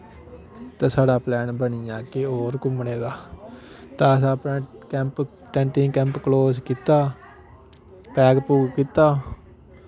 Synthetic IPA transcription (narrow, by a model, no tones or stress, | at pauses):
t̪ãːsaːɖaːplɛːnbəniːaːkeːoːɾkʊmneːd̪aː | t̪ãːəsãːpnẽːkɛ̃ːmp | ʈɛ̃ːɳʈĩːkɛ̃ːmpkloːskiːt̪aː | pɛːɡpuːɡkiːt̪aː